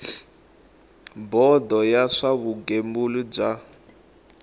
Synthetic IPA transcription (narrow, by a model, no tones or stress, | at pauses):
bɔd̪ɔjaʂaβuɡembulub͡ʐa